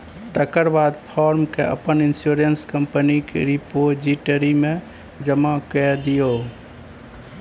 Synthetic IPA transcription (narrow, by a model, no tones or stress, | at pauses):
t̪əkəɾbad̪pʰɔɾmkeə̰pəninsjuɾənskəmpənikḛɾipod͡ʒiʈəɾimẽ | d͡ʒəmãkɛd̪ijo